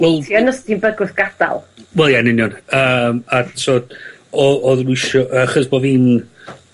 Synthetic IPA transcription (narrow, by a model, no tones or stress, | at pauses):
wɛlˠtʰiːɔnəsd̥inbəɡʊθɡ̥ad̥a̰lˠwɛlˠjanɪnjɔnəːmasʰoːd | ɔɔðrwɪʃɔʔəːχəðbɔviːn